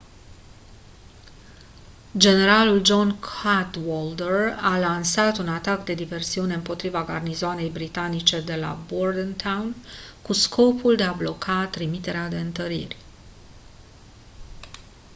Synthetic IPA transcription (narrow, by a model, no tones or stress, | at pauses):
d͡ʒe̞ne̞ɾaluld͡ʒo̞nkʰat̪wold̪eralansat̪unat̪akd̪e̞d̪ive̞rsiune̞ɨmpo̞t̪ɾivaɡarnizoane̞jbɾit̪anit͡ʃe̞d̪e̞la̰bord̪ənt̪ʰawnkuskʰo̞puld̪e̞ablo̞kʰat̪ɾimit̪e̞ɾead̪e̞ɨnt̪əɾḭrʲ